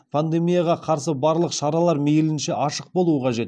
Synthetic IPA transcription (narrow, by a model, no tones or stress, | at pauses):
pʰand̪e̞mijaʁɑqʰɑɾsəbɑɾlˠəqʃɑɾɑlˠɑɾmejlɪnʃe̞ʔɑʃəq̚bo̞lˠuəqʰɑʒe̞t̪